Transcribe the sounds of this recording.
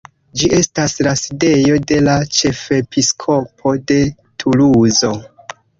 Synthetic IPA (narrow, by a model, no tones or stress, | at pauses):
d͡ʒiʔe̞staslaside̞jo̞de̞lat͡ʃe̞fe̞piskʰo̞pʰo̞de̞ | tʰuluzo̞